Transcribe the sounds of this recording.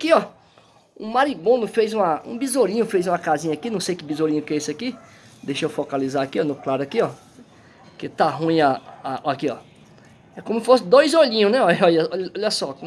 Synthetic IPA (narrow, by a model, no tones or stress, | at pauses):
akiɔ | ṵ̃maɾibõnʊfejzũɐṵ̃bizoɾĩɲʊfejzũɐkazĩɲɐakinɐ̃w̃sejkɪbizoɾĩɲʊkeesɪaki | d̪ejʃewfɔkalizaakiɔnʊklaɾakiɔ | ket̪aɦũj̃aaɔakiɔ | ɛkõmʊsɪfosɪd̪ojzoʎĩɲʊ̃nɛɔɔʎɐɔɔʎɐsɔkõ